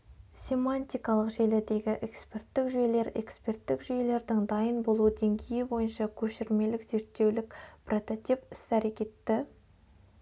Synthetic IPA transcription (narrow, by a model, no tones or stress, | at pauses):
sʲe̞manʲt̪ʲijkɑlˠəqʒelɪd̪e̞ɡʲɪʔekspʲe̞rt̪ːɪkʒʏjele̞ɾe̞̰kspe̞rt̪ːɪkʒʏje̞le̞ɾd̪ɪŋd̪ɑjənbo̞lˠud̪e̞ŋɡʲe̞jɪbo̞jənʃɑkʲʰɵʃɪɾme̞lɪkz̥e̞ɾt̪ːe̞wlɪkpro̞t̪ot̪ipɪsæɾe̞kʲe̞t̪ːɪ